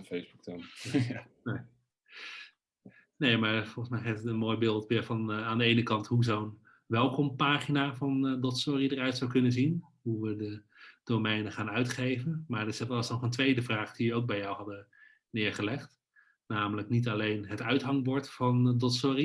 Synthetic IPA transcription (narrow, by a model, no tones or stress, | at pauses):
fejzbuk̚tɛn | ne | nejmaːɹfɔlˠχəsmɛjχatətənmoːjbɪːlˠtʋɪːɹvɑnaːndəejnəkɑntɦuzown | ʋɛlˠkɔmpaːχinaːvɑndɔtsʊridərœɥtsawkɵnənzin | ɦuʋədə | d̥omɛjnəχaːnœɥtχejvənmaːɹdɪsɛlɑsnɔχəntʋejdəvraːχd̥iʋəowk̚bɛjɔwɦɑdə | nɪːɹχəlɛχt | naːmələknitɑlejnɦətœɥtɦɑŋbɔɹtfɑndɔtsʊri